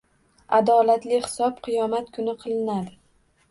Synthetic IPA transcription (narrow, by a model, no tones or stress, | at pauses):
ad̪ɒlat̪lɪhɪ̥sɒpqʰɨjɒmat̪kʰʊnɪqʰɨlˠɪnad̪ɪ